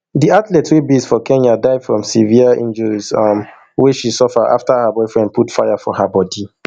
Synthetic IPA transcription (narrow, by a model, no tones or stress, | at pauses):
diatlɛtswibizfɔkʰɛ̃nadaɪvfɹɔ̃msiviəḭ̃nd͡ʒəɹizm | wɛʃisɔfəa̰ftəhəbɔɪfɹɛ̃nd̚pʰutfajafɔhəbɔdi